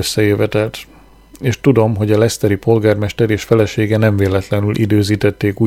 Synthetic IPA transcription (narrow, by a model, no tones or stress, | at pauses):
øsːɛeːvɛt̪ɛlt̪ | eːʃt̪ud̪o̞mɦo̞ɟɒlɛst̪ɛɾipo̞lɡaːrmɛʃt̪ɛɾeːʃfɛlɛʃeːɡɛnɛɱveːlɛt̪lɛnylʔḭd̪øːziːt̪ɛt̪ːeːkuː